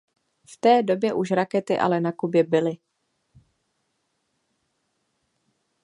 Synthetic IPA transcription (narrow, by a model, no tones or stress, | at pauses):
ft̪ɛːdo̞bjɛʔuʃɾakɛt̪ɪʔa̰lɛnakubjɛbɪlɪ